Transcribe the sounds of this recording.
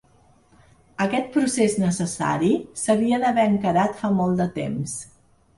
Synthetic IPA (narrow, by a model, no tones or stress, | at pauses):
əkɛt̪̚pɾuseznəsəsa̰ɾisəβiəðəβɛəŋkəɾat̪famɔlˠd̪ət̪ḛms